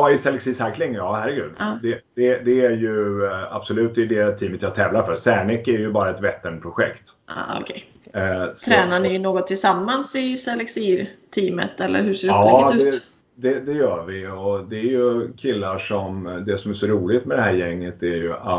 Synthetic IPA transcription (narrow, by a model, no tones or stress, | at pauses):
ɑːɪsɛlːɛksiːsaklɪŋjɑːhæɾːɛɡʉ̰ːd̪d̪ɛd̪̥ɛd̪ɛæɾjɵa̰b̥sɔlʉ̟t̪̚ːd̪ɛjd̪ɛt̪ʰiːmət̪jɑt̪ʰɛːvlaɾfœɾsæːɳɪkːæɾjɵbɑːɾaɛt̪vɛt̪ːənpʰɾʊɧɛ̰kt̪ːɔ̰kʰɛ | t̪ʰɾɛːnanɪnoːɡɔt̪ʰːɪlsamːansɪsɛlɛksiːt̪ʰiːmə̰t̪ɛlːə̰ɾhɵseːdɑːʉdːɛ | d̪ɛd̪ɛjœːɾvɪɔd̪ɛæɾjɵkʰɪlːaʂɔmd̪ɛsɔmæʂɔɾuːlɪt̪mɛd̪ɛɦæːɾjɛŋːət̪æɾjɵʔa